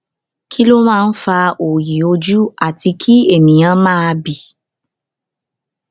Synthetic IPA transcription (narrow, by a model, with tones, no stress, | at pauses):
kʰi˦lo˦mãː˦˧n̩˦fa˧o˨ji˨o˧d͡ʒu˦a˦˨ti˧kʰi˦e˦˨mĩ˨j̃ã˨˦mãː˦a˧bi˨